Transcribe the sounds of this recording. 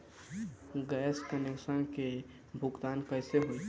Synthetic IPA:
ɡɛːskənjekʃənke | bʱʊɡt̪aːnkəɪseɦoi

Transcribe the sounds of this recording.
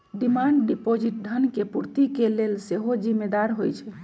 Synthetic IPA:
ɖimaɳɖɖipod͡ʒiʈ̚dʱənkepuɾt̪ikelelseɦod͡ʒimːed̪aɾɦojt͡ʃʰɛ

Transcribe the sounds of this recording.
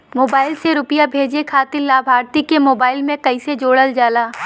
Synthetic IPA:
moːbaːɪlseɾʊpjabʱeːd͡ʒekʰaːt̪ɪllaːbʱaːɾt̪ikemoːbaːɪlmẽkɐɪsed͡ʒoːɽəld͡ʒaːlaː

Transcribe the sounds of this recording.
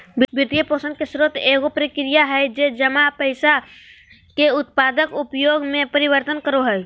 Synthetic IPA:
bbit̪iəposə̃nd̪kesɾot̪eɡopɾikɾijaɦɛɪd͡ʒed͡ʒəmapəɪsa | keʊt̪̚paːd̪əkupjoːɡmẽpəɾibəɾt̪ənkəɾoɦɛj

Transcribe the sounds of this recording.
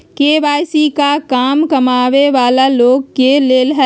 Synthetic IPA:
keːʋaːjsikakaːmkɐmaːʋeʋaːlaloːɡkeleːlɦɛ

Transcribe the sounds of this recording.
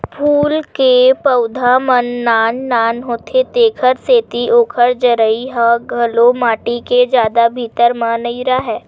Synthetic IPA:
pʰuːlkepəʊd̪ʱamənːaːnːaːnɦoːt̪ʰet̪eːkʰəɾseːt̪iʔoːkʰəɾd͡ʒəɾəiɦaɡʱɐlomaːʈiked͡ʒjaːd̪abʱiːt̪əɾmãːnəiɾaɦɛː

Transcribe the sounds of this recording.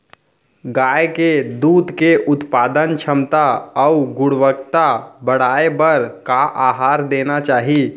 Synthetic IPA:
ɡaːjked̪uːd̪keʔʊt̪paːd̪ənt͡ʃʰəmt̪aɔʊɡʊɽʋəkt̪abəɽ̤aːebəɾkaʔaːɦaːɾd̪eːnat͡ʃaːɦi

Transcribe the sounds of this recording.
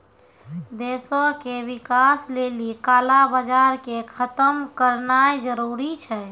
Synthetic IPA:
d̪esokeʋikaslelikaːlabəd͡ʒaɾkekʰət̪əmkəɾnaed͡ʒəɾuɾit͡ʃʰɛ

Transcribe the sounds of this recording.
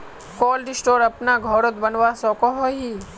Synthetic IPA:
kɔːlɖɪsʈoːɾɐpnaɡʱɔːɾot̪bɐnʋasɔːkɔɦoɦi

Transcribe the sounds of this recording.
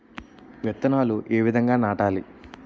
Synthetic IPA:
ʋɛt̪ːɐnaːluʔeːʋid̪ʱɐŋɡaːnaːʈaːlḭ

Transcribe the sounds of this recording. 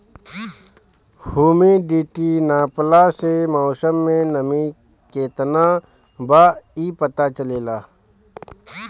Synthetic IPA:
huːmiɖiːʈinaːplasemɔːsəmːẽnəmĩ | keːt̪na | baːiːpət̪at͡ʃəleːlaː

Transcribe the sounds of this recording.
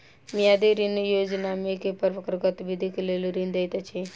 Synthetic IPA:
mijad̪iɾinjod͡ʒnamekepəɾməkɾəkət̪ʋid̪ʱikelelɾind̪əjt̪ət͡ʃʰi

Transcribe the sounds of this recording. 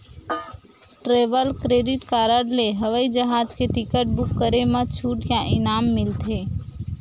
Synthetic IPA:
ʈɾebəlkɾeɖiʈkaɾəɾleɦəʋəid͡ʒəɦad͡ʒkeʈikəʈ̚bukːəɾemət͡ʃʰuʈjaʔinamːilt̪ʰe

